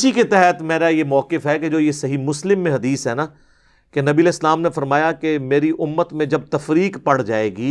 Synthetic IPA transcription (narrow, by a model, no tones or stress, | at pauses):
ɪsiket̪ɛɦət̪meːɾajemɔːkɪfɦɛked͡ʒoːjesɐɦimʊslɪmːẽɦɐd̪iːsɦɛnaː | kenɐbiːɐleːslaːmnefɐɾmaːjakemeːɾiʔʊmːət̪mẽd͡ʒɐb̚t̪ɐfɾiːkpɐɽd͡ʒaːeːɡiː